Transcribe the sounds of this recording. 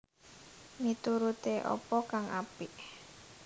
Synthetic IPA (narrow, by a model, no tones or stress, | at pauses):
mit̪uɾut̪eʔɔ̰pɔkaŋapɪʔ